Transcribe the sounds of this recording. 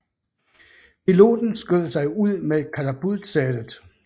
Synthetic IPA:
pʰilo̝̰ːd̥n̩sɡ̥øð̰ˠsɑ̈ɪuð̰ˠmekʰæt͡sʰæb̥uðˠdsæd̥əð̩ˠ

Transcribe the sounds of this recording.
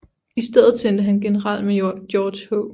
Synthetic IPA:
isd̥eð̰ˠð̩ˠsend̥əɦænɡ̥e̝nəʁɑ̈l̰d̥me̥jɒːd̥ɕhɔʊ

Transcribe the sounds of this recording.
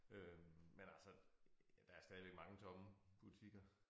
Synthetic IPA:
ømmenælsɒd̥ɑ̈æɐsd̥ɛðˠiʋeɡ̥̚mɑ̈ŋət͡sʰɒ̽məb̥ut͡sʰiɡ̥ɐ

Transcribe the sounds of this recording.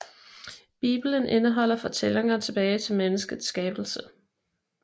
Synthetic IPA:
b̥ḭːb̥lənʔe̝nəɦɒ̽l̰ɐfɒ̽t͡sʰeleŋɐt͡sʰe̝b̥ɛːɪt͡sʰe̝lmenəsɡ̥əð̩ˠsːɡ̥ɛːb̥l̩sə

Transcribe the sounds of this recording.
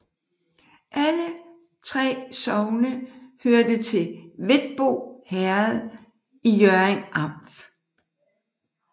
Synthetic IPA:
ʔælə | t͡sʰʁɛ̰ːsɒ̽ʊnəhøɐd̥ət͡sʰe̝ʋe̝d̥̚b̥o̝̰ːhæɐð̩ˠ | ijœɐeŋʔɑ̈m̰d̥

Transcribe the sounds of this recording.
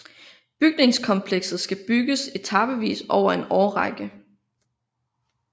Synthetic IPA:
b̥yɡ̥̚ne̝ŋskʰɒ̽mpʰleɡ̥sð̩ˠsɡ̥æb̥yɡ̥əse̝t͡sʰɑ̈b̥əʋḭːsɒʊ̰ɐe̝nɒːʁɑɡ̥ə

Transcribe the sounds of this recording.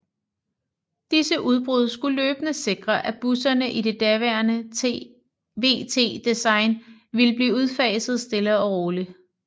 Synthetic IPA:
d̥isəʔuð̞ˠb̥ʁuð̞ˠsɡ̥uløːb̥ənəse̝ɡ̥ʁɐʔæb̥usɐnəʔide̝d̥æɐʋæɐnə | ʋe̝̰ːt͡sʰe̝̰ːd̥isɑ̈ɪnʋiləb̥liːuð̞ˠfɛːsð̩ˠsd̥e̝ləɒʁoːli

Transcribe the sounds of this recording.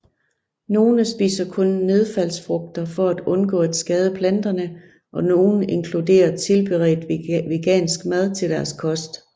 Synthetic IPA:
no̝ːnəsb̥ḭːsɐkʰɔ̽nːe̝ð̞ˠfæl̰sfʁɔɡ̥̚d̥ɐfɒ̽æd̥ɔ̽nɡ̥ɔ̰ːæd̥sɡ̥ɛːð̞ˠəpʰlænd̥ɐnə | ʔɒ̽no̝ːn̩e̝ŋkʰlud̥e̝̰ːɐt͡sʰe̝lb̥e̝ʁɛ̰ːd̥ʋe̝ɡ̥ɛ̰ːnsɡ̥mæð̞ˠt͡sʰe̝ld̥æɐskʰɒ̽sd̥

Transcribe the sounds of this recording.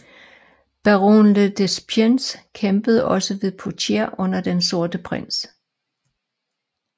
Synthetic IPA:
b̥æʁo̰nləd̥esb̥ʰjenskʰemb̥əð̞̩ˠɒ̽səʋe̝ðˠpʰot͡sʰeɐ̰ʔɔ̽n̰ɐd̥enso̝ɐd̥əpʰʁen̰s

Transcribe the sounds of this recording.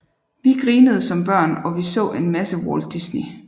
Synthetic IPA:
ʋiɡ̥ʁiːnəð̞ˠsɒ̽mb̥ɶɐ̰nɒ̽ʋisɔ̰̽ːʔe̝nmæsəwɒːld̥isni

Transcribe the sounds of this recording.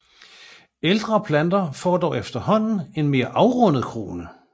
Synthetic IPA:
eld̥ʁɐpʰlænd̥ɐfɒ̰ːd̥ɒ̰ʊefd̥ɐhɒ̽n̰n̩e̝nme̝ːɐʔɑ̈ʊʁɔ̽n̰əð̩ˠkʰʁo̝̰ːnə

